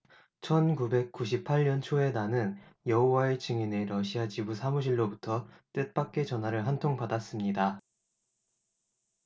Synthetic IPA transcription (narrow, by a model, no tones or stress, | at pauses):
t͡ɕʰʌnkube̞k̚k͈uɕ̬ʰip̚ʰaʎɲʌnt͡ɕʰoe̞nanɯnjʌɦowae̞t͡ɕɯŋine̞ɾʌɕʰiat͡ɕibusʰamuɕ̬ʰiɭːobutʰʌt͈et̚p͈ak̚k͈e̞t͡ɕʌnɦaɾɯɭɦantʰoŋpadas͈ɯmɲida